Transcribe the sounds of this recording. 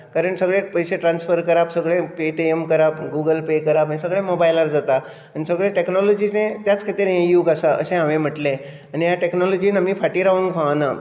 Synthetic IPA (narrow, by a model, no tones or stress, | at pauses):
kaɾəɳsəɡɭepəjseʈɾansfəɾkəɾabsəɡɭẽpeʈeemkəɾapɡuɡəlpekəɾabanisəɡɭemobajlaɾd͡zat̪a | anisəɡɭẽʈeknɔlɔd͡ʑid͡znet̪jat͡skʰat̪iɾejuːkasaə̰ɕẽɦaʋẽm̤əʈlẽ | anijaʈeknɔlɔd͡ʑiːnamifaʈiːɾaʋəŋɡkʰaʋna